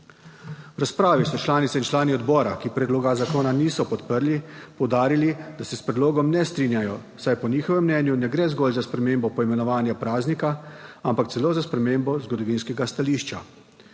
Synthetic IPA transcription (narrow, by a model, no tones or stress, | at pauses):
wɾaspɾaːʋisɔt͡ʃlaːnit̪sɛint͡ʃlaːniɔd̪bɔːɾakipɾɛd̪loːɡazakoːnaniːsɔpɔt̪pəɾlipɔwd̪aːɾilid̪asɛspɾɛd̪loːɡɔmnɛst̪ɾinjajɔ | sajpɔniːxɔʋɛmːnɛːnjunɛɡɾɛːzɡɔlzaspɾɛmembɔpɔimɛnɔʋaːnjapɾaːznikaampak̚t̪sɛloːzaspɾɛmeːmbɔzɡɔd̪ɔʋinskɛɡast̪aliːʃt͡ʃa